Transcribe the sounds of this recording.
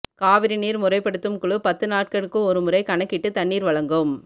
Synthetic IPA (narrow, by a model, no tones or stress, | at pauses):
kaːʋɪɾiniːɾmʊɾɐɪpːɐɽɯt̪ːɯmkɯɭɯpɐt̪ːɯnaːʈ̚kɐɭɯkːɯɔɾɯmɯɾɐɪkɐnɐkːɪʈːɯt̪ɐɳːiːɾʋɐɭɐŋɡɯm